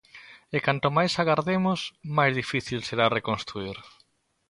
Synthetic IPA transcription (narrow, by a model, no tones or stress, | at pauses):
ɪkant̪omajsaɣaɾðemʊsmajzðifiθilseɾarekonst̪ɾuiɾ